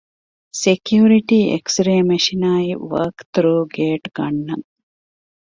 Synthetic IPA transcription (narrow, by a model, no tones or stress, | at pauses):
sekjuːɾiʈiːʔḛksɾeːmeʃinaːiʋɐ̰ːkt̪ɾoːɡeːʈɡɐɳːɐŋ